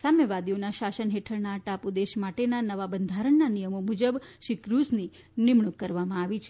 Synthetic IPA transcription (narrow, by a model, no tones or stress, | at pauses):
samjəʋad̪ionaʃaʃənɦeʈʰəɾnaʈapud̪eʃmaʈenanəʋabənd̪ʱaɾəɳnanijəmomud͡ʒəbʃikɾusni | nɪmɳukːəɾʋamãaʋit͡ʃʰe